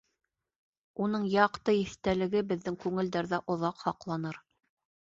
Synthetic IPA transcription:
un̪ɤɴjɑqt̪ɤiθt̪ælɘ̆ɡɘbɘ̆ðːɘŋkʉŋɘ̆ld̪æɾðæʔŏðɑqhɑqlˠɑnɤɾ

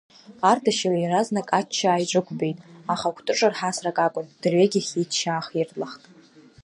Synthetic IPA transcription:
ardaʃaljɾaznakʼat͡ʃʰːaːjʈ͡ʂʷʼɨkʷʰʼbe̞jtʼaχakʷʰtʼɨʈ͡ʂʼarħasrakʼakʷʼʊnd̥rɥeɡʲɪχʲitʰʃaːχirlaχtʼ

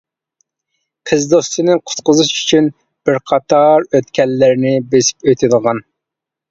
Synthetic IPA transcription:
qʰəzd̪ost̪ɨnɨqʰʊ̥t̪qʊzɨʃy̥t͡ʃʰyn | b̥ɪɾqʰɑt̪ʰɑɾøt̪kʲɛlːɪɾɪnɪbesi̥pøjt̪ʰɪd̪əʁɑn

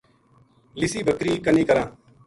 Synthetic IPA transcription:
lɪsiːbʱəkɾiːkənĩːkəɾãː

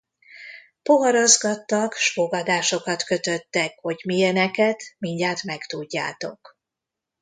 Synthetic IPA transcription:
po̞ɦɒɾozɡɒt̪ːɒkʃfoɡɒd̪aːʃo̞kɒt̪kø̞t̪ø̞t̪ːɛkho̞ɟmijɛnɛkɛt̪miɲɟaːt̪mɛkt̪uɟːa̰ːt̪o̞̰k

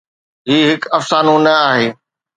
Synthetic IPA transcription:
ɦiːɦɪkɐfsaːnũnɐaːɦeː

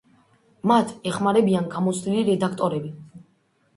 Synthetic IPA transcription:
mat̪ʰɛχmaɾɛbianɡamɔt̪sʰd̪iliɾɛd̪akʰt̪ʼɔɾɛbi

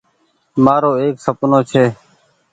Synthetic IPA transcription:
maːɾoːeːksəpnoːt͡ʃʰeː

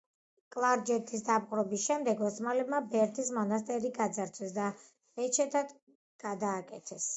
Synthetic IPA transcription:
kʼlˠaɾd͡ʒɛt̪ʰisd̪apqʼɾɔbisʃɛmd̪ɛɡɔsmalɛbmabɛɾt̪ʰismɔnas̬t̪ʼɛɾiɡad̪zaɾt̪sʰɛsd̪a | bɛt͡ʃʰɛt̪ʰad̪ | ɡ̥ad̪aːkʼɛt̪ʰɛs

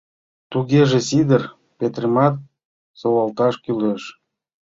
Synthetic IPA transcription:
t̪uɣeʒesid̪ər | pet̪rəmɑt̪̚ | sowɑlt̪ɑʃkyleʃ

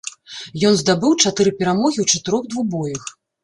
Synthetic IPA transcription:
jɔnzd̪abɨwt͡ʂat̪ɨɾɨpʲɛɾamɔɣʲiwt͡ʂat̪ɨɾɔɣd̪vuɣbɔjɐx

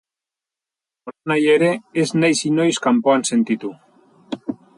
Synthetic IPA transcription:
oanajeɾeeznajsinojskampoansent̪it̪u

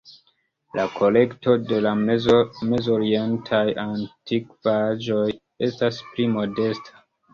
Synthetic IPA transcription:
lʔakʰo̞le̞kto̞de̞la | me̞zo̞ɾientʰajantikvad͡ʒo̞j | e̞stasplimo̞de̞stʰḁ

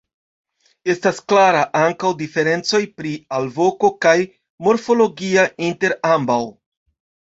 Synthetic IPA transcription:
e̞stasklaɾaʔaŋkawdife̞ɾe̞nt͡so̞jpɾialvo̞ko̞kaj | mo̞ɾfo̞lo̞ɡiainte̞ɾambaw

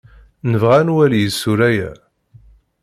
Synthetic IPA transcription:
nəvʁænwæljəsːuɾæjæ

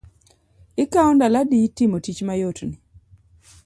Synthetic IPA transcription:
ɪkaɔndaladitimotit͡ʃmajotni

